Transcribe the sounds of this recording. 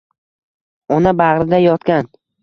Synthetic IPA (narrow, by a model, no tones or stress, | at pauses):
ɒnabaʁɾɪd̪ajɒt̪kʲan